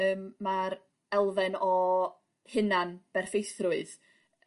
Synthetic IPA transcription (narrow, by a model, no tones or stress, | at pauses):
əːmːaɾ | ɛlˠvɛnɔ | hɪnanb̥ɛrfejθrʊɨð